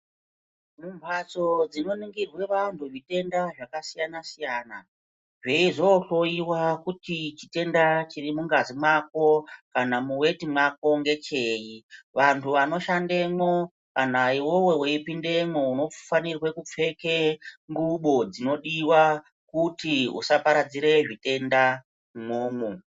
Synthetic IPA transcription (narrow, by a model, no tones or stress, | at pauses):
mumbʱat͡so̞d͡zino̞niŋɡirwe̞ʋantʰuʐite̞ndaʐakasijanasijaːna | ʐe̞iʐo̞ɬo̞jiwakutit͡ʃite̞ndat͡ʃirimuŋɡazimwak̚o̞kanamuwe̞timwak̚o̞ŋɡe̞t͡ʃeːjiʋantʰuʋano̞ʃande̞mo | kanaiwo̞we̞weipinde̞mouno̞fanirwe̞kup͡fe̞keŋɡuɓo̞d͡zino̞ɗiwa | kutiṵsapaɾad͡ziɾe̞ʐite̞nda | muːmu